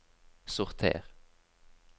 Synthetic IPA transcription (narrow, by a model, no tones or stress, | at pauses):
sʊʁt̪ʰḛːʁ